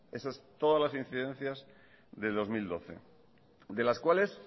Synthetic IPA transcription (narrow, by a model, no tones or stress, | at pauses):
e̞sast̪o̞ðazlasin̟θiðe̞n̟θjaz | ðe̞ld̪o̞zmild̪o̞θe̞̰ | d̪e̞laskwale̞s